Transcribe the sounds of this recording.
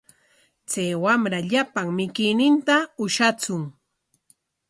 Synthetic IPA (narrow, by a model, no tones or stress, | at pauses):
t͡sajwamɾaʎapaŋmɪkɪjnɪnt̪aʊʃat͡sʊŋ